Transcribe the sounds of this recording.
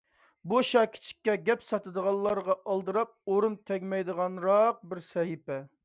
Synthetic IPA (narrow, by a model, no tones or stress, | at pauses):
boʃɑkʲʰi̥t͡ʃʰi̥kʲːɛɡʲɛpsɑt̪ɨd̪əʁɑlˠːɑɾʁɑʔɑlˠd̪ɨɾɑp̚oɾunt̪ʰɛkʲmɛjd̪əʁɑnɾɑq̚bɪɾsɛɦipɛ